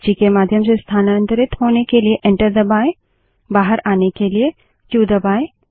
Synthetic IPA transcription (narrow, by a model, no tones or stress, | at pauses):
t͡ʃikemaːd̪ʱjəmsest̪ʰaːnə̃nt̪əɾɪt̪ɦoːnekelieʔɛ̃ɳʈəɾd̪ɐbaːe | baːɦəɾaːnekelie | d͡ʒuːd̪ɐbaːe